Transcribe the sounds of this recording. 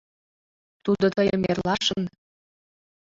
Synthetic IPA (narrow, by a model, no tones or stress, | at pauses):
t̪ud̪ot̪əjəmerlɑʃən